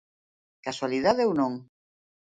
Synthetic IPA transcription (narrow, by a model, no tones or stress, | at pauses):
kaswaliðaðeownõŋ